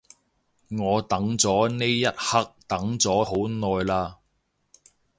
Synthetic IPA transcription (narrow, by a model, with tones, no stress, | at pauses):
ŋɔː˨˧t̪ɐ˨˥ŋt͡sɔː˨˥ne˥jjɐ˥t̚hɐ˥k̚t̪ɐ˨˥ŋt͡sɔː˨˥ɦo˨˥wnɔː˨jlaː˧